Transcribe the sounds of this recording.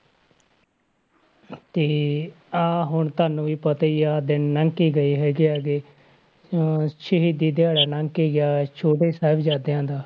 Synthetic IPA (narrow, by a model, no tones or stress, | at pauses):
t̪eː | aːɦʊɳt̪aːnũːʋiːpət̪aːiːaːd̪ɪnːəŋɡkiːɡəiːɦɛːɡiːaːɡeː | ʃɪɦiːd̪iːd̪ɪaːɽaːnaŋɡkiːɡɪjaːt͡ʃʰoːʈeiːsaːbd͡ʒaːd̪ejãːd̪aː